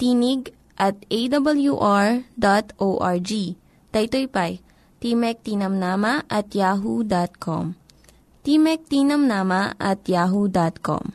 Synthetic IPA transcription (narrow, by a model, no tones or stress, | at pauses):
t̪iniɡ | ʔɐt̪̚ejd̪ɐbɐljuʔaɹd̪at̪ʔowʔaɹd͡ʒi | t̪ɐjt̪ojpaj | t̪imɛk̚t̪inɐmnaːmɐʔɐt̪jaːɦud̪at̪̚kʰo̰m | t̪imɛk̚t̪iːnɐmnaːmɐʔɐt̪jaːɦud̪at̪̚ko̰m